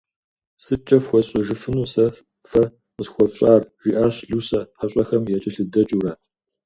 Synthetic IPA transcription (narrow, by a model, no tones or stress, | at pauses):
sɨt͡ʃʼɐfxʷɔɕʼɐʒɨfɨnuːsɐ | fɐ | ɨsxʷɔɕʼaːrʒ̥ʷiːʔaːɕɮuːsɐħaɕʼɐxɐmjɛt͡ʃʼɪɬɨdɐt͡ʃʼuːraː